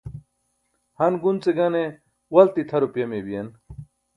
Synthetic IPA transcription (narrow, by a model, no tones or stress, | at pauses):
hɐnɡunt͡seɡɐne | wɐlt̪it̪ʰɐɾopjɐmebijɐn